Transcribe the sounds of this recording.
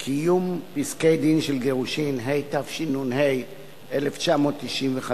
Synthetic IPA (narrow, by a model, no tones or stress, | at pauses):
kʰijumpiskejd̪inʃelɡeʁuʃinɦejtafʃinunɦej | ʔeleft͡ʃamo̞ːt̪ːiʃʔimveχa